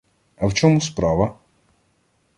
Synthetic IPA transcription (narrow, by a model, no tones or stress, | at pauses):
ɐwt͡ʃɔmuspɾɑʋɐ